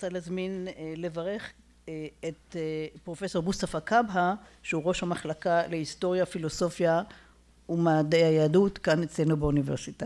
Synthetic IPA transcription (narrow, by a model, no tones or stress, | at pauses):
t͡saleazminle̞vaʁe̞χ | etpʁo̞fe̞so̞ʁbustafakabɦaʃeuʁo̞ʃhamaχlakaleisto̞ʁjafilo̞so̞fja | umaːdejhajaːdutkanet͡slenubeuniveʁsita